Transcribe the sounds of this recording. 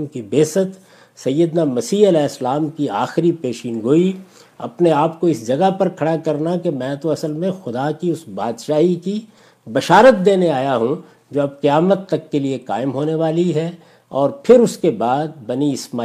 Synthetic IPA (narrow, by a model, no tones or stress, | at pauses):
mkibeːsət̪ | sɐjːəd̪namɐsiːɐlɛːslaːmkia̰ːxɪɾipeːʃiːnɡoːi | ɐ̰pneaːpkoɪsd͡ʒɐɡapɐɾkʰɐɽakɐɾnakemɛ̃ːt̪oɐsəlmẽxʊd̪akiʊsbaːd̪ʃaːɦiki | bɐʃaːɾət̪̚d̪eːneaːjaɦũ | d͡ʒoːɐb̚qɐjaːmət̪ːɐkːeliekaːɪmɦoːneʋaːliɦɛ | ɔːɾpʰɪɾʊskebaːd̪̚bɐniɪsmaː